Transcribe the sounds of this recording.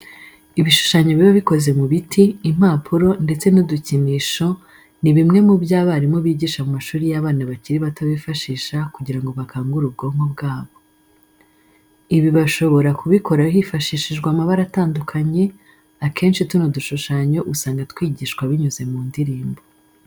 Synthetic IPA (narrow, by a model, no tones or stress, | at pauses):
iβiʃu̥ʃaɲo̞βiβoβiko̞ze̞muβitʰiːm̥aːpʰuɾo̞nde̞t͡se̞nuduciniːʃo̞ | niβimŋe̞mubjaːβaɾimoβiːɟiːʃamumaʃuːɾijaβaːnaβaciɾiβataβifaʃiːʃakuɟiɾaŋɡo̞βakaːŋɡuɾub̚ɡo̞ːŋɡob̚ɡaːβo̞ | iβiβaʃo̞βo̞ɾakuβikʰo̞ɾahifaʃiːʃiʒɡwamaβaɾataːndukʰaɲe̞ | akʰe̞ːnʃitunoduʃuʃaɲo̞ʔusaːŋɡatwiːɟiːʃkwaβiɲuze̞muːndiɾiːmbo